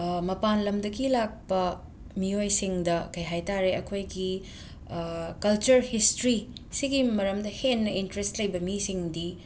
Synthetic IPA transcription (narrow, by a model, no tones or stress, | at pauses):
mɐpanlɐmdɐɡilak̚pɐ | miojsiŋdɐkɐjɦajtaɾeɐkʰojɡi | kɐlt͡ʃɐɾhistɾisiɡimɐɾɐmdɐhenːɐintɾestlɐjbɐmisiŋdi